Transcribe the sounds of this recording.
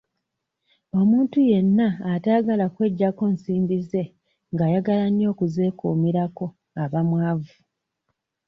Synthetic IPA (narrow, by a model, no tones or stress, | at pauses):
o̞muːntuje̞nːaːtaːɡalakwe̞ɟːako̞nsiːmbize̞ | ŋɡaːjaɡalaɲjo̞ːkuze̞ːkṵːmiɾako̞ | aβamwaːvu